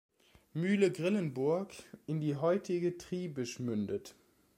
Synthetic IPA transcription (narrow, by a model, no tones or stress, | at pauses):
myːləɡʁɪlənbʊɐkɪndiːɦɔʏtʰɪɡətʁ̥iːbəʃmʏndət